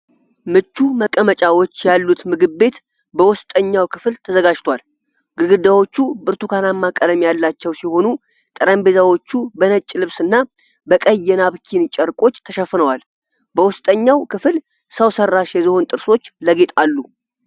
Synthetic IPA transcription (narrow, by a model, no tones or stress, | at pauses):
mɨt͡ʃːuməkʼːəmət͡ʃʼawo̞t͡ʃːjalːut̪mɨɡɨβːe̞t̪ | bəwʊst̪ʼəɲːawkʰɨflt̪ʰəzəɡad͡ʒt̪ʰwal | ɡ̥ɨɾɡɨd̪awo̞t͡ʃːubɨɾt̪ukʰanamːakʼələmjalːat͡ʃːɛwsiho̞nu | t̪ʼɨɾəmbezawo̞t͡ʃːubənət͡ʃʼːlɨβsɨnːa | bəkʼəjːɛnaβkʰint͡ʃʼəɾkʼo̞t͡ʃːt̪ʰəʃɛfːɨnəwal | bəwʊst̪ʼəɲːawkɨfɨl | səwsərːaʃjɛziho̞nt̪ʼɨɾso̞t͡ʃːləɡet̪ʼalːu